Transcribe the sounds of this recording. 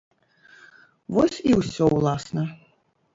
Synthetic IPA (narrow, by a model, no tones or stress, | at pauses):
vɔsʲiwsʲɔwlˠasnɐ